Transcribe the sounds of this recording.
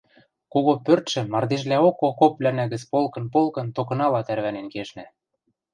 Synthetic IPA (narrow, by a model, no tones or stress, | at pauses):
koɣopørt̪ʃɘ̆mɑrd̪eʒlæokokoplænæɣɘ̆t͡spolkɤ̆npolkɤ̆nt̪okɤ̆nɑlɑt̪ærβænenkeʃnæ